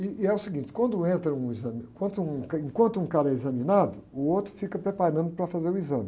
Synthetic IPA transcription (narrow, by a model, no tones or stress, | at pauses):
iːɛʊsiɡĩnt͡ʃɪ̥kwɐ̃nd̪ʊẽnt̪ɾɐ̃ũizɐmkwɐ̃nt̪uũkaẽŋkwɐ̃nt̪ʊũkaɾɐɛizɐminad̪ʊːowt̪ɾʊfikɐpɾepaɾɐ̃nd̪ʊpɾɐfazeɾuizɐ̃mɪ